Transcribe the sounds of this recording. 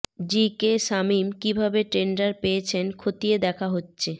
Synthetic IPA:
d͡ʑikeʃamimkibʱabeʈɾeɳɖaɾpejet͡ɕʰenkʰot̪ied̪ɛkʰaɦotːɕʰe

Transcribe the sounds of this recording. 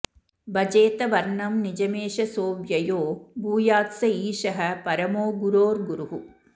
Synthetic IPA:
bɐd͡ʒeːt̪ɐʋɐɾɳɐmnid͡ʒɐmeːʃɐsoːʋjɐjoːbʱuːjaːt̪sɐiːʃɐɦɐ̆pɐɾɐmoːɡuɾoːɾɡuɾuɦu

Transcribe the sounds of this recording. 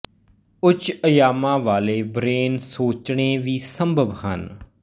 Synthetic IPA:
ʊt͡ʃəjaːmãːʋaːleːbɾeːnsoːt͡ʃɳeːʋiːsəmbʱəbhə̰n

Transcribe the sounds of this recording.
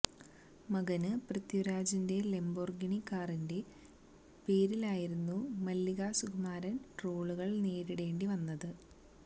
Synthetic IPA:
mɐɡɐnɨprɐt̪juɾaːd͡ʑinde̞le̞mborɡiɳikːaːrinde̞ | pe̞ːɾilaːjiɾunːumɐlːiɣaːsuɡɐmaːɾɐnʈro̞ːɭuɣɐɭneːɾiɽe̞ːɳɖiʋɐnːɐðɨ

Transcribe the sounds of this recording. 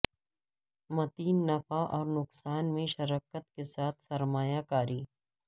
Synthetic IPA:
mɐt̪iːnːɐfaʔɔːɾnʊksaːnmẽʃɐɾaːkət̪kesaːt̪ʰsɐɾmaːjakaːɾiː

